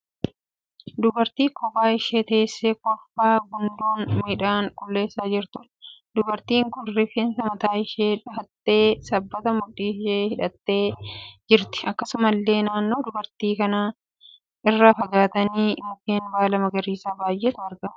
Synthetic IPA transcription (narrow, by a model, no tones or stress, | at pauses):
d̪ʊbɐɾt̪iːkʰɔbaːɪʃeːt̪ɐsːeːkɔfːaːɡʊnd̪uːnmɪᶑaːŋkʼʊlːe̞ːsːaːd͡ʒɪɾt̪ʊ | d̪ʊbɐɾt̪iːŋkʊnrɪfensɐmɐt̪aːɪʃeːᶑɐt̪ːe̞ːsɐbːɐt̪ɐmʊᶑːiːʃeːhɪᶑɐt̪ːe̞ːd͡ʒɪɾt̪ɪ̥ɐkːɐsʊmɐlːe̞ːnaːnːo̞ːd̪ʊbɐɾt̪iːkɐnaː | ɪrːafɐɡaːt̪ɐniːmʊkeːnbaːlɐmɐɡɐɾiːsaːbaːjʔeːt̪ʊwɐɾɡa